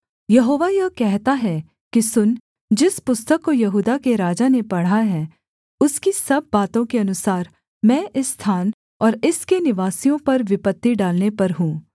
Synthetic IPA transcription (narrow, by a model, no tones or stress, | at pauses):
jɐɦoːʋajɐkɛɦt̪aɦɛ | kisʊn | d͡ʒɪspʊst̪əkːojɐɦuːd̪akeɾaːd͡ʒanepɐɽ̤aɦɛː | ʊskisɐb̚ːaːt̪õkeɐnʊsaːɾ | mɛ̃ːʔɪsːt̪ʰaːn | ɔːɾɪskenɪʋaːsijõpɐɾʋɪpət̪ːiɖaːlnepɐɾɦũː